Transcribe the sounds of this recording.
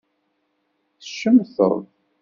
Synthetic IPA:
θə̥ʃːəmθə̰ɾˤð

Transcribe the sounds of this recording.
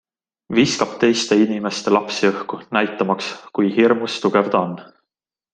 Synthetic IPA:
viskɑb̥t̪e̞jst̪e̞inʲime̞st̪e̞lɑpsiɤhkunæjt̪ːˑɑmɑkskujhirmust̪uɡ̥e̞vd̪̥ɑonː

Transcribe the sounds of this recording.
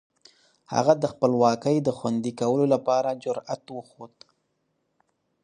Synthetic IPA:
ha̰ɣad̪əxpəlwɑkəjd̪əxwand̪ikawəlolapɑɾad͡ʒʊɾa̰t̪wəxod̪

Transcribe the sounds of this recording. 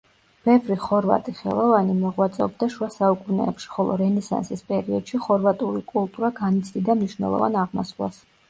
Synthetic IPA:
b̥ɛvɾiχɔɾva̰t̪ʼiχɛ̰lˠɔvanimɔʁwat̪sʼɛɔb̚d̪aʃuasaukʼunɛ̰ːpʃi̥χɔlˠɔ̰ɾɛnɛsɛ̰nsispʼɛɾiɔd̪̥ʃiχɔɾvat̪ʼuɾikʼulˠt̪ʼuɾaɡanit̪sʰd̪id̪amniʃnɛ̰lˠɔ̰va̰naʁmɔslˠa̰s

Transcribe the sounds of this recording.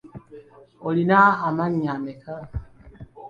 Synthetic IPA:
olinaamaɲamɛkʰa

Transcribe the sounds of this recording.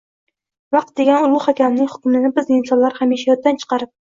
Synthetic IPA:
vɑq̚t̪̚d̪eɡʲanʊlˠʊhakʲʰamnɪŋʲhʊ̥kʲʊmɪnɪbɪzɪnsɒnlaɾhamjeʃajɒt̪ːant͡ʃʰɨ̥qɑɾɪp̚

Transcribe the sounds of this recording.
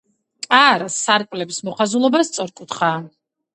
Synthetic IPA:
aɾasaɾkʼlɛbismɔχazulˠɔbast̪sʼɔɾkʼut̪ʰχaː

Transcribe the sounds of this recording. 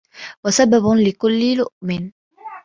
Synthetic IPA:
wasababʊlɪkʊlːɪlʊʔmɪn

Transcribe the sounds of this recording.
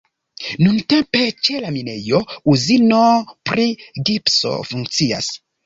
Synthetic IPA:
nunte̞mpe̞t͡ʃe̞lamine̞jo̞uzino̞pɾiɡipso̞̰fuŋkt͡sia̰s

